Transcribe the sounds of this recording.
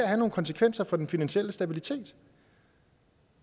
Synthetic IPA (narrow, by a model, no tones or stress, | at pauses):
ɐhæno̝ːnkʰɒ̽nsə̥kʰʋen̰sɐfɒ̽d̥enfinænɕiel̰əsd̥æb̥ilit͡sʰe̝̰ːd̥